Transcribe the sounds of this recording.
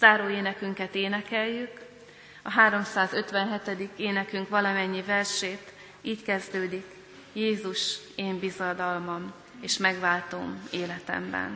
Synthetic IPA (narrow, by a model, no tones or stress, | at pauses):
z̥aːɾoːeːnɛkyŋkɛt̪eːnɛkɛjːyk | ɒɦaːɾo̞msaːzø̞t̪ʋɛnɦɛt̪ɛd̪ikeːnɛkyŋkʋɒlɒmɛɲːivɛrʃeːt̪ | iːckɛzd̪øːd̪ik | jeːzuʃeːmbizɒd̪ɒlmɒm | eːʃmɛɡʋaːlt̪o̰ːmeːlɛt̪ɛ̰mbɛ̰n